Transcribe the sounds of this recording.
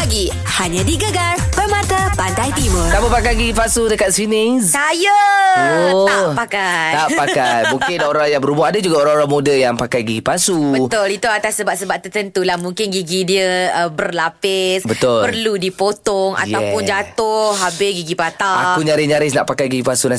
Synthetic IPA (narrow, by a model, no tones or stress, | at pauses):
aɡi | haɲãdiɡəɡar | pəmat̪əpadajt̪imət̪abəpakajɡiɡipasudəkat̪̚sinɪssajəoapakaj̪apakajmuŋkɪndaoɾaŋjaŋbəɾumʊhadəd͡ʒuɡaoɾaŋoɾaŋmodəjaŋpakajɡiɡipasubət̪ʊlit̪uat̪asːəbaʔ̚səbaʔ̚t̪ərt̪ənt̪ulahmuŋkɪnɡiɡidiəəbərlapɪsbət̪ʊlpərludipot̪ɔŋa̰j̪apʊnd͡ʒat̪ʊhɦabɪɡiɡipat̪aakuɲaɾɪɲaɾɪs̬na̰ʔpakajɡiɡipasuna